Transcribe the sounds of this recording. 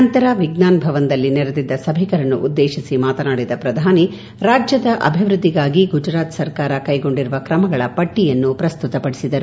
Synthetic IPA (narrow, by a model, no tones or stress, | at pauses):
ɐnt̪ɐɾɐʋiɡnaːnbʱɐʋɐnd̪ɐlːinɛɾɐd̪id̪ːɐsɐbʱikɐɾɐnːṵʔud̪ːeːʃisimaːt̪ɐnaːɽid̪ɐpɾɐd̪ʱaːni | ɾaːd͡ʒjɐd̪ɐʔɐ̰bʱiʋɾud̪ʱːiɡaːɡiɡud͡ʒɾaːt̪sɐɾkaːɾɐkɐjɡo̞ɳɖiɾuʋɐkɾɐmɐɡɐɭɐpɐʈːijɐnːupɾɐst̪ut̪ɐpɐɽisid̪ɐɾu